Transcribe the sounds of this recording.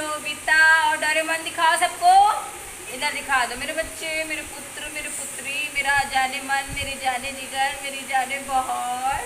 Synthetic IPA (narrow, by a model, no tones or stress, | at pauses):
obit̪aɔːɾɖɔːɾemənd̪ɪkʰaːosɐbko | ɪlad̪ɪkʰaːd̪omeːɾebɐtːʃemeːɾepʊt̪ɾəmeːɾipʊt̪ɾimeːɾad͡ʒaːnemənmeːɾid͡ʒaːnenɪɡəɾmeːɾid͡ʒaːnebɔɦɔt̪